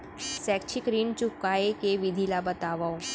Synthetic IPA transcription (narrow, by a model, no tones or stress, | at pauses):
sɛkt͡ʃʰikɾint͡ʃʊkːaekeʋɪd̪ʱilabət̪aʋao